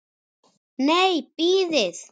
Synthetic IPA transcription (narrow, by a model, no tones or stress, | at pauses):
nejpiðes